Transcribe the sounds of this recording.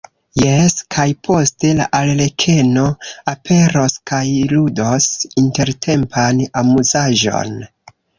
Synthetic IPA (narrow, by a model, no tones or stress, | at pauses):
jeskʰajpʰo̞ste̞la̰ʔallekʰe̞no̞apʰe̞ɾoskajludosinte̞ɾtʰe̞mpʰanamuzaʒo̞̰n